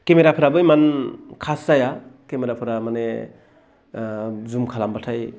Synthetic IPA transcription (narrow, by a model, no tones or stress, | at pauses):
kemeɾapʰɯɾabɯjmankʰaszajakemeɾapʰɯɾamane | zumkʰalambatʰaj